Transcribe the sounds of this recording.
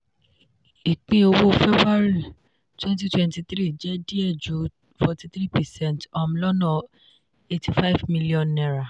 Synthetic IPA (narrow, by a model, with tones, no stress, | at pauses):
i˨k͡pĩ˨˦o˧wo˦fɛ˦bɾa˦ɾi˦˨ | twɛ̃˦nt̬i˦twɛ̃˧nti˧t̪ɾi˦˨d͡ʒɛ˦di˦ɛ˦˨d͡ʒu˨˦ | fɔ˧ti˧t̪ɾi˦˨pɛ˨sɛ̃˦˨ntɔ˧m̩˧lɔ˦nɔ̃˦˨ | e˧tʰi˨fa˦jvmi˧li˦ɔ̃˨nːɛ̃˨ɾa˨